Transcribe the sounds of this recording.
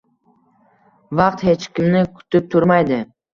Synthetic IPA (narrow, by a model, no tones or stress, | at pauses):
vɑq̚t̪he̞t͡ʃkʲɪmnɪkʰʊ̥t̪ʰɪp̚t̪ʰʊɾmajd̪ɪ